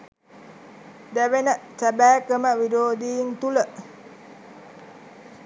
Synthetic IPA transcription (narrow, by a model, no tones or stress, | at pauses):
dawenəʔt͡ʃabakəmaʔwidodiŋt̪uləʔ